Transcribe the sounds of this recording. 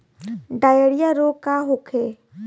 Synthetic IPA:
ɖaːjeɽɪjaɾoːkaɦokʰeː

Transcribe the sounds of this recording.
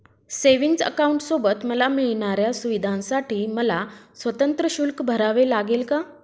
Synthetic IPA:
seʋiŋɡsə̰kauɳʈsobət̪məlamiɭɳ̃aɾjasuʋid̪ʱãnsaʈiːməlasʋət̪ənt̪ɾəɕulkbʱəɾaʋelaɡelka

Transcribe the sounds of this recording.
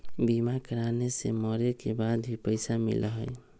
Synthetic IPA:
bimakəɾaneseməɾekebad̪bʱipəɪsamḭlɦə̰j

